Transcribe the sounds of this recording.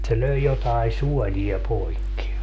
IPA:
se løi jotɑi suɔlʲiɑ poikːi

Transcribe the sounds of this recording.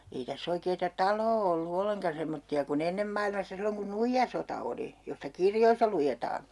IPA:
ei tæsː oikeːtɑ tɑloː olːu olːeŋkɑ semːotːiɑ kun enːem mɑilmɑsːɑ silːoŋ kun nuijːɑsotɑ oli jostɑ kirjoisːɑ lujetɑː

